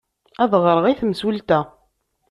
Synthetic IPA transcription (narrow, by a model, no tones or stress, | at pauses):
æðʁɾˤəʁiθmswəlt̪æ